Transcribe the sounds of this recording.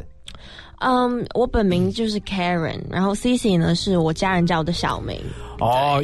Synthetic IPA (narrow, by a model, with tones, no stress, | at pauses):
ʔə˧wʔɔ˧˦˥pə˨˩nmi˧˥ŋt͡ɕjo˥˧ʊʂɻ̩˥˩kʰɛ˦˥ɹə̰˨˩nɻʔa̰˧nxo˥˩ʊsi˥si˨nə˨ʂɻ̩˥˩wɔ˨˩t͡ɕja˥ɻə˧˥nt͡ɕɑ˥˩ʊd̪ə˦ɕjɑ̰˨˩ʊmḭ˧˥ŋɔ